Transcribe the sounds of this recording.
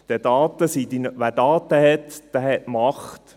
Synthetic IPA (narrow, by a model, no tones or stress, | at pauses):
d̪̥ɛdɑːt̪əsid̥̪inʋæːɾdɑːt̪əhɛt̪d̥æhɛtmɑχt̪